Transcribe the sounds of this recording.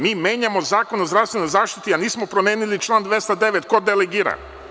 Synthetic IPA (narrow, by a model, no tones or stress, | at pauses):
miːme̞ːɲamo̞zaːkonozd̪ɾafst̪ʋeno̞jzaːʃt̪i̥t̪ianiːsmo̞pɾome̞ːnilit͡ʃlˠaːnd̪ʋe̞st̪ad̪e̞ʋet̪ko̞d̪eleɡiːɾa̰